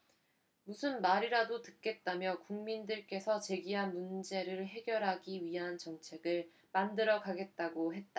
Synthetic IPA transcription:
musʰɯnmaɾiɾadotɯ̥k̚k͈e̞t̚t͈amjʌkuŋmindɯɭk͈e̞sʰʌt͡ɕe̞ɡiɦanmund͡ʑe̞ɾɯɭɦe̞ɡjʌɾɦaɡiɥiɦant͡ɕʌŋt͡ɕʰe̞ɡɯɭ | mandɯɾʌɡaɡe̞t̚t͈aɡoɦe̞t̚t͈a

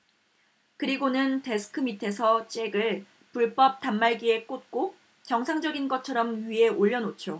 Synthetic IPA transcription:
kɯɾiɡonɯnte̞sʰɯ̥kʰɯmitʰe̞sʰʌt͡ɕ͈e̞ɡɯɭ | puɭp͈ʌp̚tamːaɭɡie̞k͈ot̚k͈o | t͡ɕʌŋsʰaŋd͡ʑʌɡinɡʌt͡ɕʰʌɾʌmɥie̞oʎːʌnot͡ɕʰjo

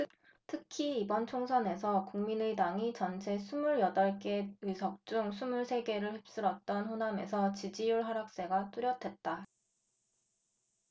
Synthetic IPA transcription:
tʰɯkʰiːbʌnt͡ɕʰoŋsʰʌne̞sʰʌkuŋminedaŋit͡ɕʌnt͡ɕʰe̞sʰumuɭjʌdʌɭk͈e̞isʰʌk̚t͡ɕ͈uŋsʰumuɭsʰe̞ɡe̞ɾɯɭɸwep̚s͈ɯɾʌt̚t͈ʌnɸoname̞̰sʰʌt͡ɕid͡ʑijuɭɦaɾak̚s͈e̞ɡat͈uɾjʌtʰwe̞t̚t͈a

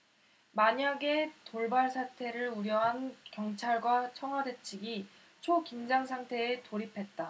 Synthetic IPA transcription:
maɲaɡe̞toɭbaɭsʰatʰe̞ɾɯɭuɾjʌɦankjʌŋt͡ɕʰaɭɡwat͡ɕʰʌŋɦwade̞t͡ɕʰiɡi | t͡ɕʰokimd͡ʑaŋsʰaŋtʰe̞ːtoɾipʰe̞t̚t͈a

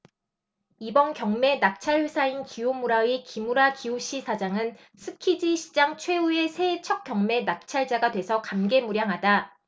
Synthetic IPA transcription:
ibʌnkjʌŋme̞nak̚t͡ɕʰaɭɸwesʰainkijomuɾaikimuɾakiuɕ͈isʰad͡ʑaŋɯn | sʰɯkʰid͡ʑiɕʰi̥d͡ʑaŋt͡ɕʰwe̞ue̞sʰe̞ːt͡ɕʰʌk̚k͈jʌŋme̞nak̚t͡ɕʰaɭd͡ʑaɡadwe̞sʰʌkamɡe̞muɾjaŋɦada

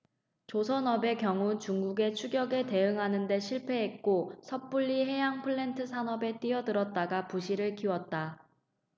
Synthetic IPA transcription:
t͡ɕosʰʌnʌbe̞kjʌŋut͡ɕuŋɡuɡe̞t͡ɕʰuɡjʌɡe̞te̞ɯŋɦanɯnde̞ɕʰiɭpʰe̞ɦek̚k͈osʰʌp͈uɭːiɦe̞jaŋpʰɯɭːe̞ntʰɯsʰanʌbe̞t͈iʌdɯɾʌt̚t͈aɡapuɕʰiɾɯɭkiwʌt̚t͈a

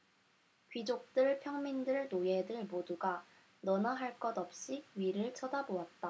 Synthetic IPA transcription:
kɥid͡ʑok̚t͈ɯɭpʰjʌŋmindɯɭnoje̞dɯɭmoduɡa | nʌnaɦaɭk͈ʌdʌp̚ɕ͈iɥiɾɯɭt͡ɕʰʌdaboat̚t͈a

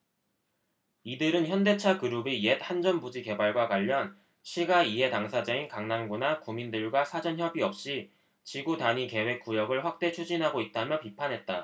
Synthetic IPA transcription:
idɯɾɯnçjʌnde̞t͡ɕʰakɯɾubijet̚hand͡ʑʌnbud͡ʑike̞baɭɡwakwaʎːʌn | ɕʰiɡaiɦe̞taŋsʰad͡ʑainkaŋnanɡunakumindɯɭɡwasʰad͡ʑʌnçjʌbiʌp̚ɕ͈i | t͡ɕiɡutaɲike̞we̞k̚k͈ujʌɡɯɭɸwak̚t͈e̞t͡ɕʰud͡ʑinɦaɡoit̚t͈amjʌpipʰanɦe̞t̚t͈a

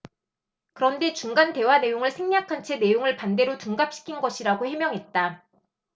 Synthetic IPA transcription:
kɯɾʌnde̞t͡ɕuŋɡante̞wane̞joŋɯɭsʰeŋɲakʰant͡ɕʰe̞ne̞joŋɯɭpande̞ɾotuŋɡap̚ɕ͈i̥kʰinɡʌɕʰiɾaɡohe̞mjʌŋɦe̞t̚t͈a

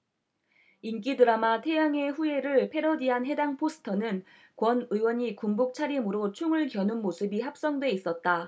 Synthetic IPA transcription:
ink̬͈idɯɾamatʰe̞jaŋe̞ɸue̞ɾɯɭpʰe̞ɾʌdiɦanɦe̞daŋpʰosʰɯ̥tʰʌnɯn | kwʌnɯiwʌɲikumbuk̚t͡ɕʰaɾimɯɾot͡ɕʰuŋɯɭkjʌnunmosʰɯbiɦap̚s͈ʌŋdwe̞is͈ʌt̚t͈a

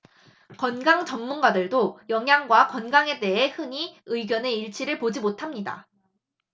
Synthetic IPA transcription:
kʌnɡaŋt͡ɕʌmmunɡadɯɭdojʌŋɦjaŋɡwakʌnɡaŋe̞de̞ɦe̞hɯɲiɯiɡjʌne̞iɭt͡ɕʰiɾɯɭpod͡ʑimotʰamɲida̰

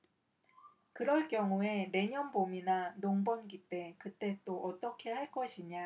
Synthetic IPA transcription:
kɯɾʌɭk͈jʌŋue̞ne̞ɲʌnbominanoŋbʌnɡit͈e̞kɯt͈e̞t͈oʔʌt͈ʌkʰe̞haɭk͈ʌɕʰiɲa

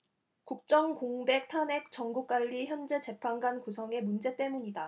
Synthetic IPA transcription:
kuk̚t͡ɕ͈ʌŋkoŋbe̞k̚tʰanɦe̞k̚t͡ɕ͈ʌŋɡuk͈waʎːiçjʌnd͡ʑe̞t͡ɕe̞pʰanɡankusʰʌŋe̞mund͡ʑe̞t͈e̞muɲida

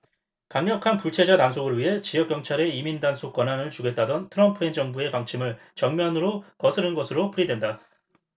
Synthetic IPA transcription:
kaŋɲjʌkʰanpuɭt͡ɕʰe̞d͡ʑatansʰoɡɯɭɥiɦe̞t͡ɕijʌk͈jʌŋt͡ɕʰaɾe̞imindansʰok͈ʌnɦanɯɭt͡ɕuɡe̞t͈̚adʌntʰɯɾʌmpʰɯɦe̞nd͡ʑʌŋbue̞paŋt͡ɕʰimɯɭ | t͡ɕʌŋmjʌnɯɾokʌsʰɯɾɯnɡʌsʰɯɾopuɾidwe̞nda

